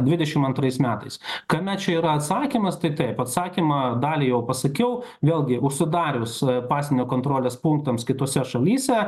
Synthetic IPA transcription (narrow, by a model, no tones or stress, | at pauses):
d̪ʲʋʲɪd̪ʲɛʃʲɪmɐnt̪ɾɐɪsmʲæːt̪ɐɪskɐmʲɛt̪̚t͡ʃʲɛiːɾɐɐt̪sɑːkʲiːmɐst̪ɐɪt̪ɐɪpɐt̪sɑːkʲimɐd̪ɑːlʲiːjɛʊpɐsɐkʲɛʊʋʲeːlʲˠɡʲɪʔʊʃʲsʲɪd̪ɑːɾʲʊspɑːsʲenʲoːkoːnt̪ɾoːlʲeːspʊŋk̚t̪ɐmskʲɪt̪oːsʲɛʃɐlʲiːsʲɛ